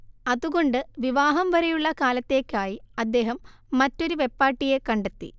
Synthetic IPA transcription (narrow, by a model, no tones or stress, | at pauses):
ɐðuɣo̞ɳɖɨʋiʋaːɦɐmʋɐɾejuɭːɐkaːlɐt̪ːe̞ːkʲːaːjiɐd̪ːe̞ːɦɐmː | ɐtːo̞ɾuʋe̞pːaːʈːije̞kɐɳɖet̪ːḭ